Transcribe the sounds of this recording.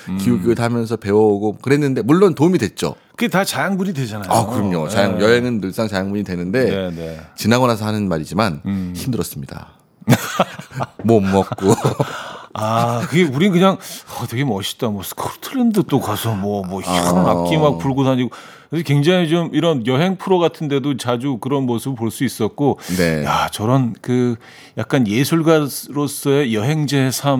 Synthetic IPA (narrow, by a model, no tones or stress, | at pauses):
kiuɡutʰamjʌns̬ʰʌpe̞wʌɡokɯɾɦenːɯnde̞muɭːontomidwe̞t̚t͡ɕ͈o̰kɯɡetat͡ɕajaŋbuɲidwe̞d͡ʑanajakɯɾʌmɲot͡ɕajaŋjʌɦe̞ŋɯnːɯɭs͈aŋt͡ɕajaŋbuɲidwe̞nɯnde̞net͡ɕinaɣʌnas̬ʰʌɦanɯnmaɾid͡ʑimançimdɯɾʌs͈ɯmɲida̰ | mʌmːʌk̚k͈o | akɯɡeuɾinkɯɲaŋʌteɡe̞mʌɕʰi̥t͈amwʌsʰɯ̥kʰotʰɯɾendɯt͈okasʰʌmwʌmwʌina̰k͈imak̚puɭɡosaɲiɡo | keskwe̞ŋd͡ʑaŋit͡ɕomiɾʌnjʌɦe̞ŋpʰuɾoɡatʰɯnde̞dot͡ɕad͡ʑukɯɾʌnmosʰɯbɯɭpoɭs͈uis͈ʌt̚k͈onejat͡ɕʌɾʌnkɯ | jak̚k͈anje̞sʰuɭɡasɾos͈ʌejʌɦe̞ŋd͡ʑesʰam